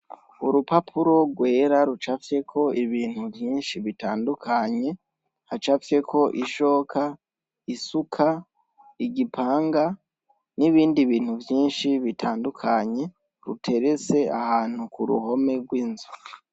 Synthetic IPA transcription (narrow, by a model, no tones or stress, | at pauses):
uɾupapʰuɾo̞ɡwe̞ːɾaɾut͡ʃafje̞kʰo̞iβiːn̥huvjiːnʃiβitaːndukʰaɲe̞ | hat͡ʃafje̞kʰo̞ʔiʃo̞ːkʰa | isukʰa | iɟipʰaːŋɡa | niβiːndiβiːn̥huvjiːnʃiβitʰaːndukʰaɲe̞ | ɾṵtʰe̞ɾe̞t͡se̞ahaːn̥hukuɾṵho̞me̞ɡwiːnzu̥